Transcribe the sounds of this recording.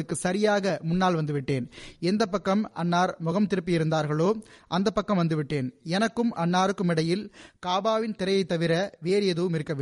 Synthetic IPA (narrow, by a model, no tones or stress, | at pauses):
ɯkːɯsɐɾɪjaːɣɐmʊnːaːlʋɐnd̪ɯʋɪʈːeːnɛnd̪ɐp̬ːɐkːɐmɐnːaːɾmʊɣɐmt̪ɪɾɯpːijɪɾɯnd̪aːɾɣɐɭoːʔɐnd̪ɐpːɐkːɐmʋɐnd̪ɯʋɪʈːeːnɛnɐkːɯmɐnːaːɾɯkːɯmɪɽɐjɪlkaːbaːʋɪnt̪ɪɾɐjɐɪt̪ːɐʋɪɾɐʋeːɾɪjɐðɯʋɯmɪɾɯkːɐʋɪ